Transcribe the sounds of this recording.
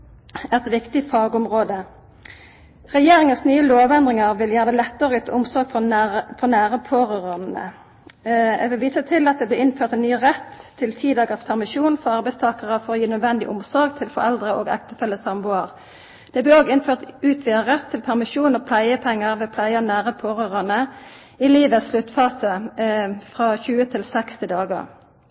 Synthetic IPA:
æʁɛt̪ʋɪkt̪ɪfɑːɡʊmʁoːd̪ə | ʁɛjeːʁɪŋənsnyːəloːʋɛnd̪ʁɪŋɑʁʋɪljæːʁəd̪ɛɪlɛt̪ːəʁəyːt̪ʰːəʊmsɔʁɡfɔfɔnæːʁəpʰoːʁəʁənnə̰ | ɛʋɪlʋiːsət̪ʰɪlɑt̪̚d̪ɛːblɪːɪnføːʁt̪ɛnyːʁɛt̪ʰːɪlt̪ʰiːd̪ɑːɡəspʰæʁmɪʃuːnfɔʁɑʁbæɪst̪ʰɑːkəʁəfɔɾʁoːjiːnœd̪ʋɛnd̪ɪ̰ʔʊmsɔɾɡt̪ʰɪlfɔ̰ɾɛld̪ʁəʔoːɡɛ̰kt̪əfɛləsɑmbʊəʁ | d̪̥ɛblɛoːɡɪnføːʁt̪ʉːt̪ʰʋiːəʁɛt̪ʰːɪlpʰæʁmɪʃuːnɔpʰlæɪəpʰɛŋːəʁʋɛːpʰlæɪənæːʁəpʰoːʁøːʁɑnə | ɪliːʋəsʃlʉt̪ːfɑːsə | fʁɑçʉːət̪ʰɪlsɛkst̪ʰɪd̪ɑːɡə̰ʁ

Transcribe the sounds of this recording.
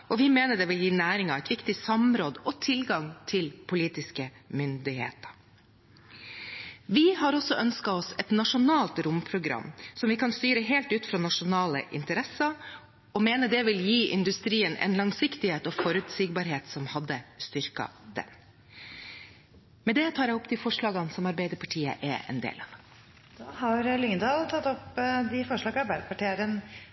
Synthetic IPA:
ʔɔʋɪmeːnəɖ̪ɛʋɪljiːnæːɾɪŋɑʋɛt̪ʋɪkt̪ɪsɑmɾoːd̪əʔɔt̪ʰɪlɡɑŋt̪ʰɪlpʰʊliːt̪ɪskəmʏnd̪ɪhḛːt̪ə̥ | ʋɪhɑɾɔsɔʔœnskɑɔsɛt̪nɑʂʊnɑːlt̪ɾʊmpʰɾʊɡɾɑ̰msɔmʋɪkʰɑnst̪yːɾəɦeːlt̪ʉːt̪fɾɑːnɑʂʊnɑːlə̰ʔɪnt̪əɾɛsɑ | ɔmeːnəd̪ɛʋɪljiːʔɪnd̪ʉst̪ɾiːənɛ̰nlɑŋsɪkt̪ɪheːt̪ɔːfɔɾʉt̪sɪːɡ̚bɑɾɦeːt̪sɔmhɑd̪ːəst̪ʏɾkɑ̰d̪̥ɛ̰m | mɛnd̪ɛt̪ʰɑːɾjɛɔpːt̪ʰɪfɔʂɭɑːɡɑnsɔmɑɾbæɪd̪əɾpʰɑʈʰiːə̰ʔɛ̰ʔɛ̰nd̪ḛːlɑ̰ʋ | d̪̥oːhɑɾlʏŋnd̪ɑːlt̪ʰɑt̪ːɔpd̪ɪfɔʂɭɑːɡɑɾbæɾpʰɑʈeːɾən

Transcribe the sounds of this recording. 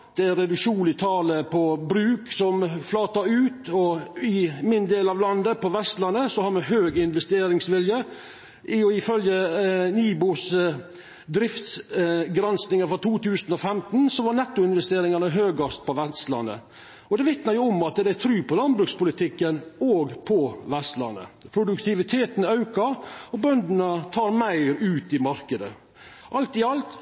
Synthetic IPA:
d̪̥ɛɾɛd̪ʉkʂuːnlɪt̪ʰɑːləpʰɔbɾʉːksɔmflɑːt̪ɑʉːt̪ɔɪmɪnd̪eːlɑʋlɑnd̪əpɔʋɛst̪lɑnəsɔhɑɾmɛɦøːɡɪnʋɛst̪eːɾɪŋsʋɪljə | ɪɔɪfœljəniːbuːs | d̪ɾɪft̪sɡɾɛnsnɪŋəfɾɔt̪ʰuːt̪ʉːsənɔfɛmt̪n̩sɔʋɑɾnɛt̪ːʊɪnʋɛst̪eːɾɪŋɑnəɦøːɡɑst̪̚pʰɔʋɛst̪lɑ̰nːə̰ | ɔd̪ɛʋɪt̪nəɾjʊɔmɑt̪̚d̪d̪ɛæt̪ʰɾʉːpʰɔlɑnbɾʉkspʊlɪt̪ʰɪkːənoːɡpʰɔʋɛst̪lɑ̰nə̰pʰɾʊd̪ʉkt̪ʰɪʋɪt̪ʰeːt̪n̩ɑʉkɑɔbœnd̪nət̪ʰɑːɾmæɪɾʉːt̪ɪmɑɾkəd̪ə | ʔɑlt̪ɪɑlt̪

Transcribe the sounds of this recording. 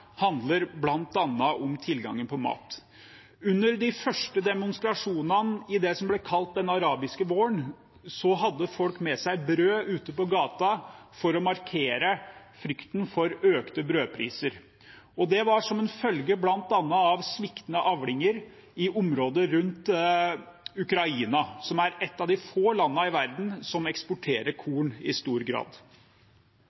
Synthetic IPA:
hɑnd̪ləɾblɑnt̪ɑnːɑʔɔmt̪ʰɪlɡɑ̰ŋːənpʰɔmɑ̰ːt̪ | ʉnːəɾd̪ɪfœʂʈəd̪ɛmʊnst̪ɾɑʂuːnɑnɪd̪ɛsɔmblɛkʰɑlt̪̚d̪ɛnɑɾɑːbɪskəʋoːəɳ | sɔɦɑd̪ːəfɔlkmɛsæɪbɾøːʔʉːt̪əpɔɡɑːt̪ɑfɔɾɔmɑɾkʰeːɾə | fɾʏkt̪nfɔɾøːkt̪əbɾøːpʰɾḭːsəɾ | ɔd̪ɛʋɑʂɔmɛnfœlɡəblɑnt̪ɑnːəɑʋsmɪkt̪nəʔɑʋlɪŋəɾ | ɪʔʊmɾoːd̪əɾʉnt̪ | ʉkɾɑiːnɑsɔmæɾɛt̪ːɑʋd̪ɪfoːlɑnːəɪʋæɾd̪n̩sɔmɛkspʊʈʰeːɾəɾkʰuːɳɪst̪uːɾɡɾɑ̰ːd̪

